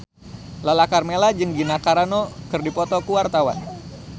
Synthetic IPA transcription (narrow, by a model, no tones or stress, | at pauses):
lalakarmelad͡ʒɨŋɡinakaɾanokɨrdipɔt̪ɔkuwart̪awa̰n